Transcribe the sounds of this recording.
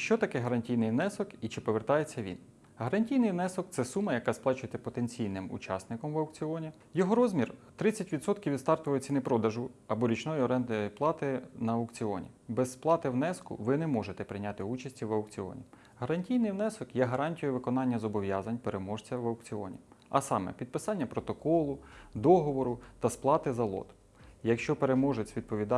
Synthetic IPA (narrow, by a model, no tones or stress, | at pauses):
ʃt͡ʃɔt̪ɐkɪɦɐɾɐnʲtʲijnɪjʋnɛsɔkit͡ʃɪpɔʋert̪ɑjet͡sʲːɐʋʲḭn | ɦɐɾɐnʲtʲijnɪjʋnɛsɔk̚t̪sɛsumɐjɐkɑsplˠɑt͡ʃʊjet̪ɛpɔt̪enʲt͡sʲijnɪmṵt͡ʃɑ̰snɪkɔmʋɐwkt͡sʲɪɔnʲi | jɔɦɔɾɔzmʲirt̪ɾɪt͡sʲɐtʲʋʲit̪sɔt̪kʲiwʲʋʲid̪st̪ɑrt̪ʊʋɐjt͡sʲinɪpɾɔd̪ɐʒʊɐbɔɾʲit͡ʃnɔjiɔɾɛnd̪ɐjplˠɑt̪ɪnɐɐʊkt͡sʲɪɔ̰nʲḭbɛssplˠɑt̪ɪwnɛskʊ̰ʋɪnɛmɔʒet̪ɛpɾɪjnʲɑt̪ɪut͡ʃɐsʲtʲiʋɐwkt͡sʲɪɔ̰nʲḭ | ɦɐɾɐnʲtʲijnɪjwnɛsɔkjɛɦɐɾɑnʲtʲijʊʋɪkɔnɑnʲːɐzɔbɔʋʲjɑzɐnʲpeɾemɔʒt͡sʲɐʋɐwkt͡sʲɪɔ̰nʲḭɐ̰sɑmɛ̰pʲid̪̚pɪsɑnʲːɐpɾɔt̪ɔkɔlˠʊd̪ɔɦɔʋɔɾʊt̪ɐsplˠɑt̪ɪzɐlˠɔ̰t̪ | jɐkʃt͡ʃɔpeɾemɔʒʊt͡sʲʋʲid̪̚pɔʋʲid̪ɑ